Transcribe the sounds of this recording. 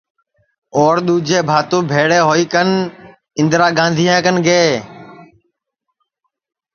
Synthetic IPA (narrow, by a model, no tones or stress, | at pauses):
oːɾɗ̪uːd͡ʒeːbʱaːt̪õːbʱeːɽeːɦoːiːkən | ɪ̃nd̪ɾaːɡãːnd̪ʱijãːkənɡeː